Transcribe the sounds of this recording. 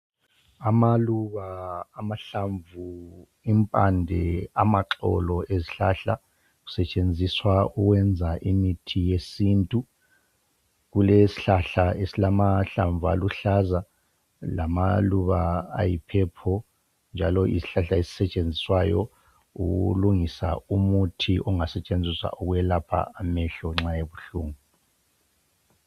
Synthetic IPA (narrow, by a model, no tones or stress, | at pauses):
amaluβaːmaɬaɱvu | impʼandʱɛ̰amaǁɔ̰lɔeziɬaɬa̰ | ɣu̥sɛt͡ʃʼend͡zʱiswauɣwɛnd͡zʱaʔimitʰijesintʼu | ɣulesi̥ɬaɬaesilamaɬaɱvʱa̰luɬaza | lamaluβaa̰jipʰɛpʰɔ | nd͡ʒʱalɔʔḭsi̥ɬaɬaesi̥sɛt͡ʃʼend͡zʱiswajɔ̰ | uɣuluŋisa̰umutʰiʔɔŋasɛt͡ʃʼend͡zʱiswa̰ʔuɣwɛlapʰa̰amɛɬɔŋ͡ǁajeβuɬuːŋu